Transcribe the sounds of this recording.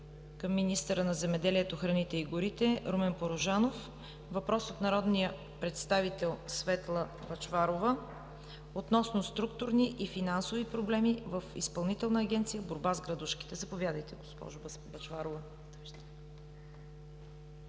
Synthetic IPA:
kəmːinist̪əɾənɐzɛmɛd̪ɛliɛt̪oxɾɐnit̪ɛiɡʊɾit̪ɛɾomɛnpoɾoʒanof | vɐpɾɔsot̪nɐɾɔd̪nijə | pɾɛt̪st̪avit̪ɛlˠsvɛt̪lˠə | bɐt͡ʃvaɾovə | ot̪nɔsnost̪ɾukt̪ʊɾniʔifinansovipɾoblɛmivəfḭspɐlˠnit̪ɛlˠnəːɡ̟ʲɛnt̪sijəboɾbazɡɾɐd̪uʃki̥t̪ɛzɐpovʲjad̪əjt̪ɛɡospɔ̰ʒʊ | bɐt͡ʃvaɾovə

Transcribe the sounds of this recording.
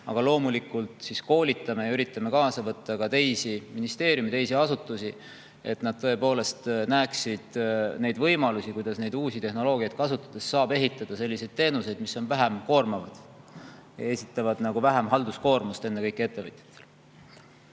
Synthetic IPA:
ɑ̰ɡ̥ɑlo̞ːmulikult̪ˑsisko̞ːlʲit̪ːˑɑme̞jɑyɾit̪ːˑɑme̞kɑːsɑvɤt̪ːɑkɑt̪e̞jsiminist̪e̞ːɾjumit̪e̞jsiɑsut̪ːˑusi | e̞̰t̪nɑd̥̪̚t̪ɤe̞po̞ːle̞st̪næːksid̪̥ne̞jd̪vɤjmɑlusikujd̪̥ɑsne̞jd̪̥uːsit̪e̞hno̞lo̞ːɡ̥ʲiɑjd̪̥̚kɑsut̪ːˑɑ̥d̪̥e̞sːɑːbe̞ɦit̪ːˑɑd̪̥ɑse̞lʲːise̞jd̪̥̚t̪e̞ːnuse̞jd̪̥misːo̞nvæɦemko̞ːrmɑvɑd̪̥ | j̰e̞sit̪ˑːɑvɑd̪̥nɑɡ̥uvæɦemɦɑld̪̥usko̞ːrmust̪e̞nːe̞kɤjkːˑie̞t̪ːe̞vɤ̰t̪ʲˑjɑ̥t̪ːˑe̥l

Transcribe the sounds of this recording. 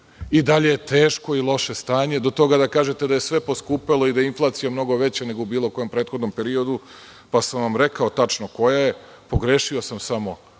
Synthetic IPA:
id̪aʎe̞jet̪e̞ːʃko̞ilˠo̞ʃe̞st̪aːɲe̞d̪o̞t̪o̞ɡad̪akaːʒet̪e̞d̪ajesʋe̞po̞skuːpelo̞id̪ajeinflˠaːt̪sijomno̞ɡo̞ʋe̞t͡ɕene̞ɡo̞ubiːlˠo̞ko̞jompɾe̞ːt̪xod̪nompe̞ɾio̞d̪u | pasamʋamɾe̞kao̞t̪at͡ʃnoko̞jaje | po̞ɡɾeːʃiosamsamo̞

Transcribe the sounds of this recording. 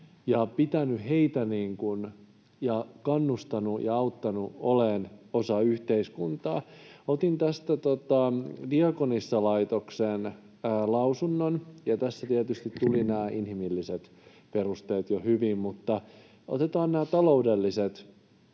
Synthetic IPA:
jɑpit̪ænyheit̪æniːŋkun | jɑkɑnːust̪ɑnujɑɑut̪ːɑnuoleːnosɑyht̪eiskunt̪ɑ̰ːot̪int̪æst̪æt̪ot̪ɑdiɑkonisːɑlɑit̪oksenː | lɑusunːonjɑt̪æsːæt̪iet̪yst̪it̪t̪ulinæːʔinhimilːiset̪ | perust̪eːt̪johyʋimmut̪ːɑ | o̰t̪et̪ɑːnnæːt̪ɑloudelːiset̪

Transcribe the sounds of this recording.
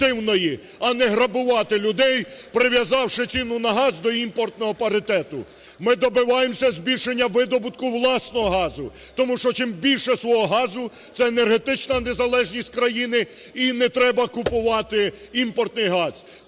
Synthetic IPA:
ɪwnɔji | ɐnɛɦɾɐbʊʋɑt̪ɪlʲʊd̪ɛjpɾɪʋʲjɐzɑwʃɪt͡sʲinʊnɐɦɑzd̪ɔimpɔrt̪nɔɦɔpɐɾɪt̪ɛt̪ʊ | mɪd̪ɔbɪʋɑjemsʲɐzʲbʲilʲʃenʲːɐʋɪd̪ɔbʊt̪kʊʋlˠɑsnɔɦɔɦɑzʊt̪ɔmuʃt͡ʃɔt͡ʃɪmbʲilʲʃɛsʋɔɦɔɦɑzʊ | t̪sɛenerɦet̪ɪt͡ʃnɐnezɐlˠɛʒnʲisʲtʲkɾɐjinɪinɛt̪ɾɛbɐkʊpʊʋɑt̪ɪ | impɔrt̪nɪjɦɑz̥

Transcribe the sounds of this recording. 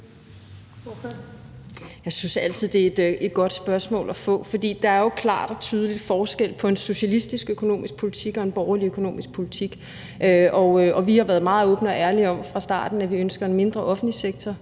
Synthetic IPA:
jɑ̈ɪsynsæl̰t͡sʰið̞̰ˠd̥e̝e̝d̥e̝d̥̚ɡ̥ɒ̽d̥sb̥ɶɐsmɔ̰̽ːlʔæfɔ̰̽ːfɒd̥ḭːd̥ɑ̈æɐjo̝kʰlɑ̰̈ːd̥ɒ̽t͡sʰyːð̞ˠəlid̥fɒːsɡ̥el̰pʰɒ̽e̝nso̝ɕælisd̥isɡ̥økʰo̝no̝̰ːmʔisɡ̥̚pʰo̝lit͡sʰiɡ̥ɒ̽e̝nb̥ɒʊɐliøkʰo̝no̝̰ːmisɡ̥̚pʰo̝lit͡sʰiɡ̥ | ʔøʔɒøɒ̽ʋihɑ̈ʋæɐð̩ˠmɑ̈ːð̞̩ˠɔːb̥n̩əɒ̽ʔæɐliɒ̽mfʁɑ̈sd̥ɑ̰̈ːd̥n̩æʋiønsɡ̥ɐe̝nme̝nd̥ʁɐʔɒ̽fn̩dliseɡ̥̚t͡sʰɒ

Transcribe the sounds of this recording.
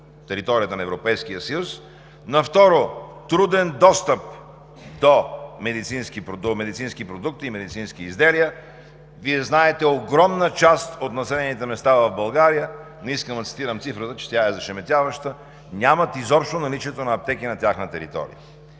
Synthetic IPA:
t̪ɛɾit̪ɔɾiət̪ənɐɛvɾopɛjsk̟ijəsəjus | nɐft̪ɔɾot̪ɾud̪ɛnd̪ɔst̪əp̚ | d̪omɛd̪it̪sinskipɾod̪omɛd̪it̪sinskipɾod̪uk̚t̪iːmɛd̪it̪sinskiːzd̪ɛliə | viɛznaɛt̪ɛoɡɾɔmnət͡ʃast̪ot̪nɐsɛlɛnit̪ɛmɛst̪avɐvbɐlˠɡaɾijə | niskəmd̪ət̪si̥t̪iɾəmt̪sifɾət̪ət͡ʃɛ̥t̪ʲaɛzɐʃɛmɛt̪ʲavəʃt̪ə | nʲamət̪izɔpʃt̪onɐlit͡ʃiɛt̪onɐːp̚t̪ɛk̟inɐt̪ʲjaxnət̪ɛɾḭt̪ɔ̰ɾḭjə̰

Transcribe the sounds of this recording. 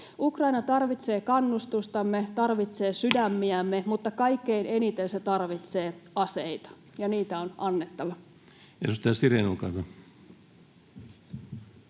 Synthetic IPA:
ukrɑinɑt̪ɑrʋit̪se̞ːkɑnːust̪ust̪ɑmːet̪ɑrʋit̪se̞ːsydæmːiæmːemut̪ːɑkɑikːeine̞nit̪enset̪ɑrʋit̪seːɑseit̪ɑ̥ | jɑniːt̪æonʔɑnːet̪ːɑʋɑ | ḛsust̪ːæstiɾenukɑ̰t̪ɑ

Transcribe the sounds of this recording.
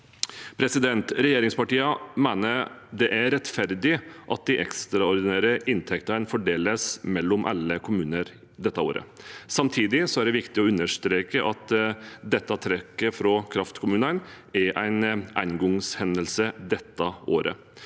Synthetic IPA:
pʰɾɛsɪd̪ɛnt̪ɾɛjeːɾɪŋspɑʈiːəmæɪnəd̪ɛʔæɾɛt̪fæɾd̪ɪʔɑt̪̚d̪ɪʔɛkst̪ɾɑɔɾd̪ɪnæːɾəʔɪnt̪ʰɛkt̪ənfɔɖeːləsmɛlːɔmʔɑ̰lːəkʰʊmʉːnəɾ | d̪ɛt̪ːəo̰ːɾə̰sɑmt̪ʰiːd̪ɪsɔæɖɛʋɪkt̪ɪɔʉnːəʂt̪ɾeːkəʔɑt̪d̪ɛt̪ːɑt̪ʰɾɛkːəfɾɔkʰɾɑft̪kʰʊmʉːnən | æɾʔæɪnʔæ̰ɪnɡɔŋshɛnd̪əlsəd̪ɛt̪ːɑo̰ːɾʔə̰

